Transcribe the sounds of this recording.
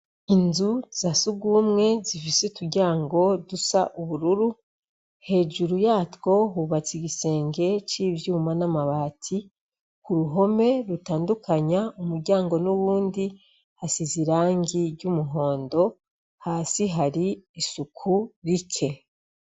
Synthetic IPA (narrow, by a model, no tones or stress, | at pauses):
inzuz̥asuɡuːmŋe̞zifisetuɾɟaːŋɡo̞dusaʔuβuɾuɾu | he̞ʒuɾujaːtko̞ɦuːβat͡siɡise̞ːŋɡe̞t͡ʃiːbjuːmanamaβaːtʰi | kuɾuɦo̞me̞ɾutaːndukʰaɲaumuɾɟaːŋɡo̞nuβuːndi | hasiziɾaːŋɡiɾɟumuɦo̞ːndo̞ | haːsiɦaɾiːsukʰuɾikʰe̞